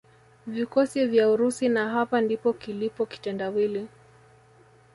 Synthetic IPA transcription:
vikɔsivjauɾusinaɦapandipɔkilipɔki̥tɛndawili

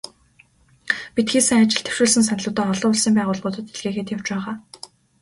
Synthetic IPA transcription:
pit̪xiːsɘ̆ŋat͡ɕɪ̆ɮt̪ʰe̥w̥ʃuːɮsɘ̆ns̬anɮʊ̆wt̪æːɔɮʊːʊɮsĭmpæːʁʊːɮʊːt̪ə̆t̪eɮɣeːxeːt̪jawt͡ɕpæːʁaː

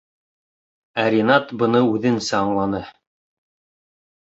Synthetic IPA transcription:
æɾʲinɑt̪bɤ̆nɤʉðɘ̆nsæɑɴlˠɑnɤ

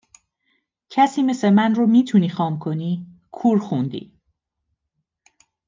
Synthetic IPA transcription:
cʰæsiːme̞semænromiːt̪ʰuniːxɒːmkʰo̞niː | kʰuːɾxund̪ḭː

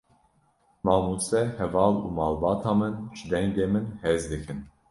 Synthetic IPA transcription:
mɑːmusɛhɛvɑːlṵːmɑːlbɑːt̪ʰɑːmɨnʒ̥ɨd̪ɛŋɡɡeːmɨnheːzd̪ɨkʰɨn

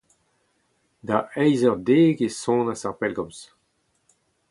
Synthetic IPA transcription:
d̪aɛjzœʁd̪eːɡesɔ̃nasaʁpɛlɡɔms

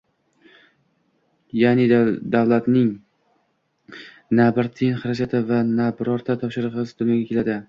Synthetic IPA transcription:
janɪd̪avlˠat̪nɪŋ | nabɪɾt̪ʰɪnχɪɾad͡ʒat̪ʰɪvanabɪɾɒɾt̪ʰat̪ʰɒpʃɪɾʁɨzd̪ʊnjɒɡʲakʲe̞lad̪ɪ

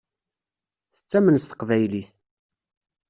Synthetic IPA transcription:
θət͡sːæmənəst̪ə̥qvæjliθ

